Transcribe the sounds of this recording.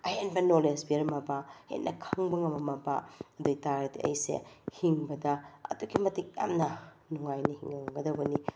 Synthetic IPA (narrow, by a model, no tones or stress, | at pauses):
ɐjenbɐnolesbiɐɾmɐbahḛnːʔɐkʰɐŋbɐŋɐmɐmːɐba̰ɐduɡitaɾɐtiʔɐ̰jsḛhiŋbɐdɐɐ̰duɡimɐtik̚ja̰mnɐ | nuŋajnɐhiŋɐɐɡɐdɐwbɐni